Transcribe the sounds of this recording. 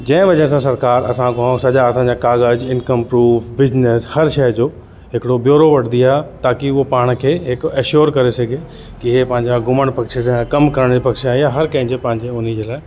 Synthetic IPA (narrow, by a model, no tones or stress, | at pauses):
d͡ʑɐ̃ːɪ̃ʋɐd͡ʑənsãsɐɾkaːɾɐ̰sãkʰõsɐʄaɐsãːɲd͡ʑakaːɣəd͡ʑɪ̃nkəmpɾuːfʰbɪzneshɐɾʃɐd͡ʑoː | ɦɪkɪɽobjoːɾoʋɐɽ̤ʰd̪ijat̪aːkiʊopaːɽ̃kʰeːɦɪkɐʃoːɾkɐɾesɐɡʱe | kiɦepɐ̃ɦɪ̃ɲd͡ʑaɡʱʊməɽ̃pɐkʃeskɐmkɐɾəɽ̃d͡ʑipɐkʃeaːɦiaɦɐɾkɐ̃ɦɪ̃ɲd͡ʑepɐ̃ɦɪ̃ɲd͡ʑeʊnid͡ʑeːlaːɪ